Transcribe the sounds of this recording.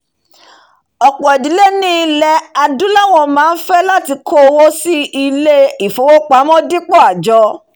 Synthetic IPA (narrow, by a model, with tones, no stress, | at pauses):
ɔ˨k͡pɔ˨ɛ˨di˨˦le˦nĩ˦i˧lɛ˧a˧dũ˦la˦˨w̃ɔ̃˧˨mãː˨˦˧n̩˦fɛ˦la˦ti˧kʰo˦˧wo˦si˦i˧le˦i˨fo˨˦wo˦k͡pa˨˦mɔ̃˦di˦k͡pɔ˦˨a˨d͡ʒɔ˧˦